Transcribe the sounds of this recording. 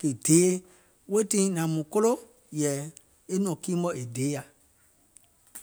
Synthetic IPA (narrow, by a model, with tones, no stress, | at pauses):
ke˨d̥eː˨˦ | we˦tĩ˦nã˨mũ˨ko˦lo˦ | jɛ˨ | e˦nɔ̃˨kĩː˦mɓɔ̃˦e˨deː˨˦ja˨